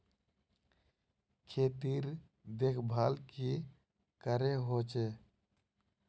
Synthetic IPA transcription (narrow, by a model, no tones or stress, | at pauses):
kʰeːt̪iːɾ | d̪ekʰbʱaːlki | kəɾeɦoːt͡ʃeː